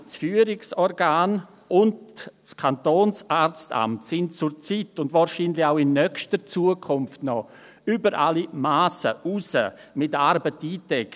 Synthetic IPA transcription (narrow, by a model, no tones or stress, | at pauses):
sfyːəɾɪksɔɾɡaːn | ʔʊndskʰantoːnsʔaːɾt͡sta̰mtsɪntt͡sʊɾt͡sitʊndvaːɾʃinlɪçaʊɪnːœkʃtət͡suəkʰʊmftnɔ | ybəɾʔalimaːsəʔusəmɪtaɾbətiːtɛk